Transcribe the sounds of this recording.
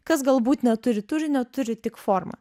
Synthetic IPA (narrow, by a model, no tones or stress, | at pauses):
kɐs̬ɡɐlˠbuːt̪nʲɛt̪ʊɾʲɪt̪ʊɾʲɪnʲɛt̪ʊɾʲɪt̪ʲɪkfoːɾmɐ̰